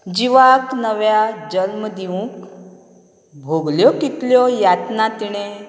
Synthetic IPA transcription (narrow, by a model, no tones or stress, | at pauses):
d͡ʑiʋaknəʋjad͡ʑəlmd̪iʋũk | bʱoɡljɔkit̪ljɔjat̪nat̪iɽ̃e